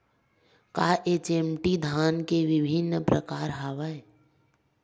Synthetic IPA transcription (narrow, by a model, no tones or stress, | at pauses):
kaːʔet͡ʃemʈid̪ʱaːnkeʋɪbʱinːpɾəkaːɾɦaʋae